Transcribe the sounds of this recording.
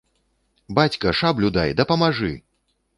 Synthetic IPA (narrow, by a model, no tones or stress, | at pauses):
bat͡sʲkɐʂablʲud̪ajd̪ɐpɐmaʐɨ